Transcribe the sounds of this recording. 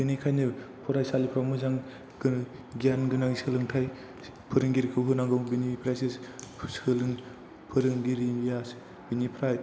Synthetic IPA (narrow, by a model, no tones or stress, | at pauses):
binijkʰajnɯpʰɔɾajsalipʰɾawmɯzaŋ | ɡ | ɡianɡɯnaŋisɯlɯŋtʰaj | pʰɯɾɯŋɡiɾkʰɯwɦɯnaŋɡɯwbinipʰɾajsissɯlɯŋ | pʰɯɾɯŋɡiɾimijas | binipʰɾaj